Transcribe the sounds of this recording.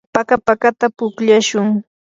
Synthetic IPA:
pakapakat̪apʊkʎaʃʊŋ

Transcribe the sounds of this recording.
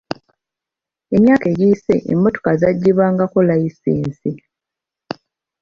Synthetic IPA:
e̞mjaːkeːɟiːse̞ʔḛmbo̞to̥kazaɟːiβaːŋɡakolajisiːnsi

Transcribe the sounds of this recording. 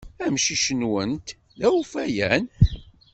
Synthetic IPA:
æmʃiʃənwənt̪ | ðæufæjæn

